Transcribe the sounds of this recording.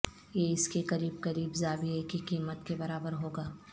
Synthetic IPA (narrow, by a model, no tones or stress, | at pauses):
jeɪskekɐɾiːbkɐɾiːbzaːbieːkikiːmət̪kebɐɾaːbəɾɦoːɡaː